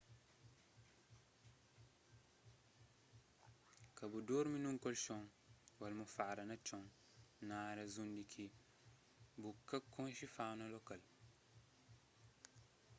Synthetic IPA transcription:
kabudɔːɾminuŋkɔlʃɔŋ | walmufaːɾɐnat͡ʃɔŋ | naːɾezundikʰi | bukakːɔ̃nʃifaːnalɔkal

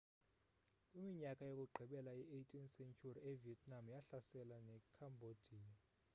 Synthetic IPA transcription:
kʼimiɲakʼajokʼuɡ͡ǃʱiɓɛlaiʔejtʼinsɛnt͡ʃʰuriɛviɛtʰʼnamjaɬasɛlanɛkʰambʱod̥ʱiːni

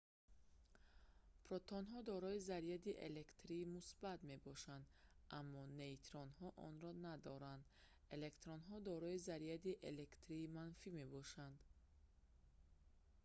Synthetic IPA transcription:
pɾɔt̪ʰɔnɦɔd̪ɔɾɔizaɾiad̪iʔḛlekt̪ɾiːmusbat̪me̞bɔʃand̪ʔamːɔneit̪ɾɔnhɔʔɔ̰nɾɔnad̪ɔɾand̪ | ele̞kt̪ɾɔnɦɔd̪ɔɾɔizaɾijad̪iʔelekt̪ɾiːmanfime̞bɔʃand̪

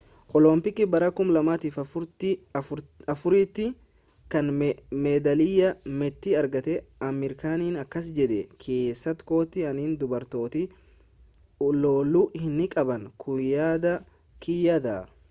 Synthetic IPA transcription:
ʔɔlɔmpɪkɪbɐɾɐkʊmlɐmaːt̪iːfɐt̪ | ɐfʊɾiːt̪ːɪ | kɐnmɛːd̪ɐlɪjɐmɛt̪ːɪɐɾɡɐt̪ɛɐmɛɾkaːniːnɐkːɐs̬d͡ʒɛd̪ɛkʰe̞ːsːɐt̪ko̞ːt̪ɪɐniːnd̪ʊbɐɾt̪o̞ːt̪ɪ | loːlʊhɪnːɪkʼɐbɐnkʰʊjaːd̪ɐ | kɪjad̪a

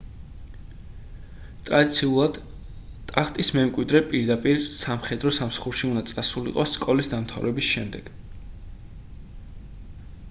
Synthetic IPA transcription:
t̪ʼɾad̪it̪sʰiulˠad̪ | t̪ʼaχt̪ʼismɛmkʼwid̪ɾɛpʼiɾd̪apʼiɾsamχɛd̪ɾɔsamsḁχuɾʃiund̪at̪sʼasulḭqʼɔsːkʼɔlisd̪amt̪ʰa̰vɾɛbisʃɛmd̪ɛɡ̥

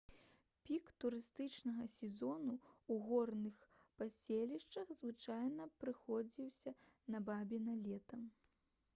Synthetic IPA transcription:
pʲikt̪uɾɨst̪ɨt͡ʂnɐɣɐsʲɛzɔnuuɣɔrnɨxpasʲelʲiʂt͡ʂɐɣzvɨt͡ʂajnɐpɾɨxɔd͡zʲiwsʲɐ | nɐbabʲinɐlʲɛt̪ɐm

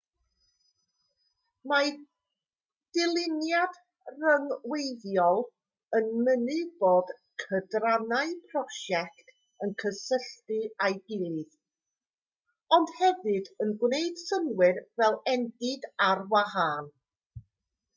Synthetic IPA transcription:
ma | d̥ɪlˠɪnjad | rəŋwejðjɔlˠ | ənmənɨb̥oːd̥kʰədranaɨpʰrɔʃɛktʰ | ənkʰəsəɬtɨajɡɪlˠɨð | ɔnd̥hɛvɨdənɡwnejd̥səmwɪrvɛlˠɛndɪdarwahaːn

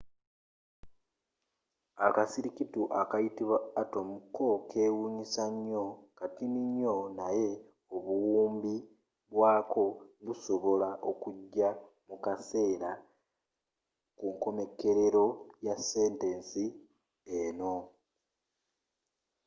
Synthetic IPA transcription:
akasiɾikituʔakajitiβwaːto̞mukːo̞kʰe̞ːwuːɲisaɲːo̞katiniɲːo̞naje̞ | oβuwuːmbi | βwaːkʰo̞niβuso̞βo̞laʔo̞kuɟːa | mukase̞ːɾa | kuŋko̞me̞ke̞ɾe̞ɾo̞jase̞ːnte̞nsi | eno̞

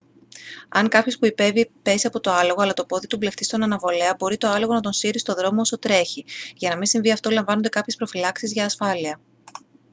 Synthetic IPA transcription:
ɐŋkɐpço̞spuipe̞vipe̞siɐpo̞t̪o̞ɐlo̞ɣo̞ɐlɐt̪o̞po̞ðit̪uble̞xt̪ist̪o̞nɐnɐvo̞le̞ɐbo̞ɾit̪o̞ɐlo̞ɣo̞nɐt̪o̞nsiɾist̪o̞ðɾo̞mooso̞t̪ɾe̞çiʝɐnɐminsiɱviɐft̪o̞lɐɱvɐnond̪e̞kɐpçespɾo̞filɐksizʝɐːsfɐliɐ

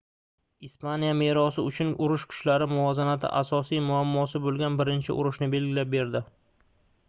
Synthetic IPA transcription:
ispanijame̞ɾɒsɪʊt͡ʃʰʊnʊɾʊʃkʰʊ̥t͡ʃlaɾɪmʊvɒzanat̪ʰɪ̰ʔasɒsijmʊamːɒsɪbolˠɡʲanbɪɾɪnt͡ʃʰɪ̰ʔʊ̰ɾʊʃnɪbe̞lɡʲɪlap̚be̞ɾd̪ɪ

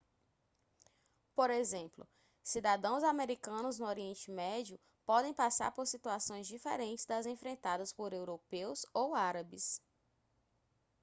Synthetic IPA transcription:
poɾezẽmplʊ̰ | sid̪ad̪ɐ̃w̃zameɾikɐ̃nʊznʊoɾiẽnt͡ʃɪmɛd͡ʒiʊ | pɔd̪ẽj̃pasa̰ɾpoɾsit̪uasõj̃zd͡ʒifeɾẽnt͡ʃɪzd̪ɐzẽfɾẽnt̪ad̪ɐspoɾewɾopewzowaɾɐbɪs

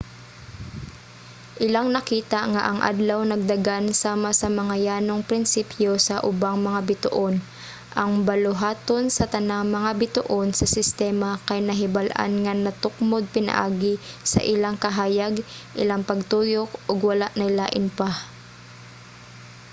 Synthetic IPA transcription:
ʔɪlaŋnɐkiːt̪ɐŋa̰ʔɐŋʔa̰d̪lɐwnɐɡ̚d̪ɐɡansaːmasɐmɐŋajaːnoŋpɾɪnsipjo̞sɐʔʊbaŋmɐŋabɪt̪ʊʔon | ʔɐŋbɐlʊɦaːt̪o̞nsɐt̪ɐnaŋmɐŋabɪt̪ʊʔo̞nsɐsɪst̪ɛːmɐkɐjnɐɦɪbalʔa̰nŋanɐt̪ʊk̚mod̪̚pɪnɐ̰ʔaːɡɪsɐ̰ʔɪlaŋkɐɦaːjɐɡʔɪlaŋpɐɡ̚t̪uːjok̚ʔoɡwɐlaʔnɐjlaːʔɪnpa

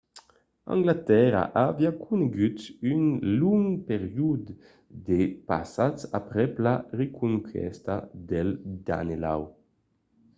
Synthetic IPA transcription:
ã̰ŋɡlat̪ɛɾa̰ʔaviakʰuneɡyt̪ynluŋpeʁjud̪ | d̪epasat͡sapɾɛplaɾekʰuŋkʰɛ̰st̪ad̪eld̪a̰nela̰w

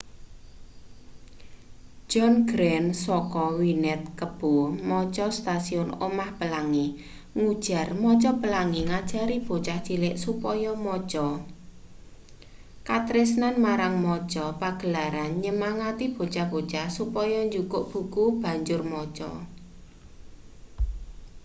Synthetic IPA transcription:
d͡ʒ̥ɔnɡɾɛnsɔkɔwinɛt̪̚kəb̥omɔt͡ʃɔst̪asiʊno̰mahpəlaŋi | ŋud̥ʒ̥a̤rmɔt͡ʃɔpəlaŋiŋad̥ʒ̥a̤ɾib̥o̤t͡ʃahdʒ̥ilɪʔsupɔjɔmɔt͡ʃɔ | kat̪ɾɪsnanmaɾaŋmɔt͡ʃɔpaɡ̥ə̤laɾanɲəmaŋat̪ib̥o̤t͡ʃahb̥o̤t͡ʃahsupɔjɔɲd͡ʒukʊʔb̥ṳkub̥a̤ɲd͡ʒʊrmɔt͡ʃɔ̰

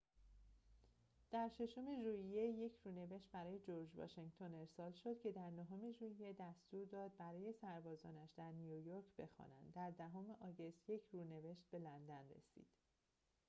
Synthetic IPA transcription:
d̪̥æɾʃe̞ʃo̞me̞ʒuːije̞je̞cʰrune̞ve̞ʃt̪̚bæɾɒːje̞d͡ʒoɾd͡ʒvɒ̰ːʃeŋɟt̪ʰo̞ne̞ɾsɒːlʃo̞d̪̥cʰe̞d̪æɾnoɦome̞ʒuːije̞d̪æst̪uːɾd̪ɒːd̪̚bæɾɒːje̞sæɾbɒːzɒ̰ːnæʃd̪æɾnijujoɾcʰb̥e̞xɒ̰ːnænd̪ːæɾd̪æɦome̞ʔɒːɡe̞st̪je̞cʰruːne̞ve̞ʃt̪̚be̞lænd̪ænrḛsḭːd̪̥

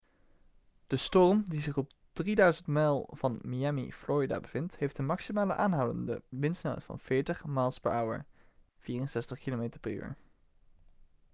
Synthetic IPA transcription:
d̥əstɔrmdizɪχɔb̚ | d̥ridœɥzəntmɛlˠv̥ɑnmiɛmḭfloːɹida̰ːbəv̥ɪnthejftənmɑksimaːləʔaːnɦawdə̰ndə̰ʋɪnstnœ̰ɥtfɑ̰nfɪːɹtəχmaːlˠspɛɹʔʌwə̰ɹ | v̥iːrənsɛstəχkilometəɹpɛɹy̰ːɹ

